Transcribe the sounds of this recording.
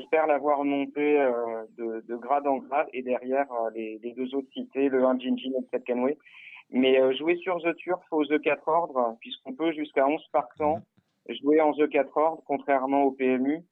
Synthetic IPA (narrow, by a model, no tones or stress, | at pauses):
ʒɛspɛʁlavwaʁmɔ̃t̪eød̪əd̪əɡʁad̪ɑ̃ɡʁad̪ed̪ɛʁjɛʁøleled̪øzot̪χsit̪eləɛ̃ʒinʒinɛləsɛt̪̚kanwemɛøʒuesyʁzøt̪yʁfozøkat̪χɔʁd̪ʁpɥiskɔ̃pøʒyskaɔ̃z̥paʁtɑ̃ | ʒueɑ̃zøkat̪χɔʁd̪ʁəkɔ̃t̪χɛʁmɑ̃opeɛmy